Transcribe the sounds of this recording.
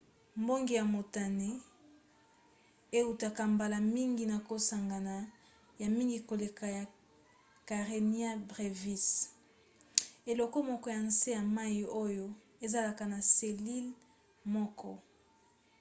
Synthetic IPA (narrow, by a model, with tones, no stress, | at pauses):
mbo˦ŋɡi˨ja˨mo˨ta˨ne˦ | e˦u˨ta˨ka˨mba˨la˨mi˦ŋɡi˨na˨ko˨sa˨ŋɡa˨na˨ | ja˨mi˦ŋɡi˨ko˨le˨ka˨ja˨ | ka˨ʁe˨ni˦a˦bʁe˨vi˦s | e˨lɔ˨ko˦mɔ˦kɔ˦ja˨nse˦ja˨ma˦ji˨o˦jo˦ | e˦za˦la˨ka˨na˨se˨li˦l | mɔ˦kɔ̰˦